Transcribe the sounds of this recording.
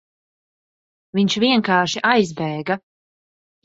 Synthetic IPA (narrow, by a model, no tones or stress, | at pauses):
viɲt͡ʃviɛŋkaːʃiʔajzbɛːɡa